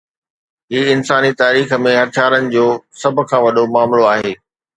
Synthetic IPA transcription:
ɦiːɪnsaːnit̪aːɾiːxə̆mẽɦɐt̪ʰjaːɾənɪ̆d͡ʑoːsɐbʱʊ̆kʰãːʋɐɗomaːmloaːɦeː

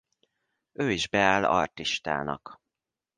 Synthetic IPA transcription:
øːiʒbɛaːlɒ̰rt̪iʃt̪a̰ːnɒ̰k

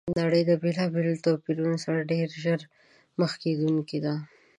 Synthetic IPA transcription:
naɽəjd̪əbelɑbelt̪opiɾunosaɾaɖeɾʒəɾ | məxked̪uŋkid̪a

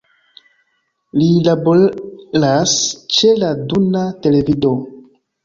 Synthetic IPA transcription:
lilabolast͡ʃe̞ladunate̞le̞vido

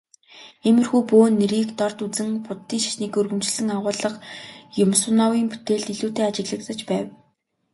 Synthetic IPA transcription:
emɘ̆rxujpoːnːeɾiːkt̪ɔrt̪ut͡sɘ̆ŋpʊt̪ːiːŋʃḁʃniːkɵrɣɵ̆mt͡ɕɮɘ̆ŋaʁʊːɮə̆qjʊmsʊnawiːŋpu̥t̪eːɮt̪iɮuːt̪eːat͡ɕɪ̆ɣɮə̆k̚t̪ə̆t͡ɕpæːw

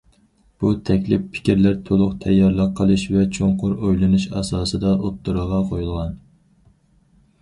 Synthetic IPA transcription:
b̥ut̪ʰɛkʲlɪpːʰɪ̥kʲiɾlæɾt̪ʰolˠʊqt̪ʰɛjːɑɾlˠɑqʰːəlˠɨʃvɛt͡ʃʰoŋqʊɾojlˠɨnuʃɑ̰sɑːsɨd̪ɑʔot̪ːuɾəʁɑqʰojulˠʁɑn

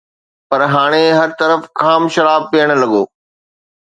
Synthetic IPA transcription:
pɐɾɦaːɽ̃eɦɐɾt̪ɐɾəfkaːmʃɐɾaːb̚pijəɽ̃̆lɐɠoː

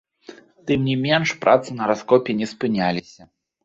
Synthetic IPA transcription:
t̪ɨmnʲimʲɛnʂpɾʔa̰t̪sɨnɐɾaskɔpʲɛnʲɛspɨnʲalʲisʲɐ

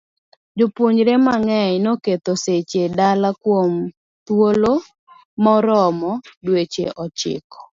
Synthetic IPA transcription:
d͡ʒʊpuɲɾemaŋɛjnoket̪oset͡ʃedalakwom | t̪wolo | mɔɾɔmɔdwet͡ʃḛʔɔt͡ʃɪ̰kɔ̥

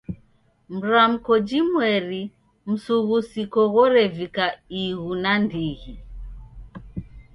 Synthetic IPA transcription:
m̩ɾam̩kɔd͡ʒimwɛɾi | m̩suɣusikɔɣɔɾɛvikaiɣunandiɣi

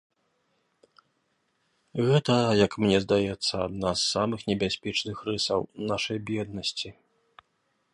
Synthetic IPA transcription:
ɣɛt̪ɐjɐkmnʲɛzd̪ajɛt̪sːɐad̪nasːamɨxnʲɛbʲasʲpʲɛt͡ʂnɨxrɨsɐwnaʂɐjbʲjɛd̪nɐsʲt͡sʲi

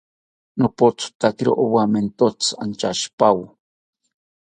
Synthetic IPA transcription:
nopot͡st̪akiɾo̰ʔowament̪ot͡sant͡ʃaʃpaw

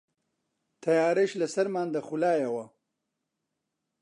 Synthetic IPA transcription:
t̪ʰɐjaːɾeʃlɐsɐɾmaːnd̪ɐxulaːjɐwɐ

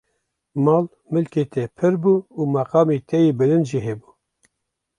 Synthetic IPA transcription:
mɑːl | mɨlket̪ʰɛpʰɨɾbuːuːmɑqɑːmet̪ʰɛjeːbɨlɨnʒiɦebuː

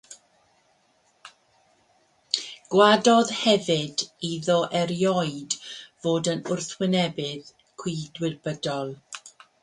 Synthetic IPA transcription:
ɡ̥wadɔðhɛvɪdiðɔʔɛɾjɔɨdvoːdənʊrθwɪnɛbɪð | kʰw̥idwɪrbədɔlˠ

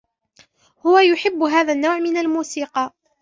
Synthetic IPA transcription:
hʊwajʊħɪbːɦaːðanːawʕmɪnalmuːsiːqɑ

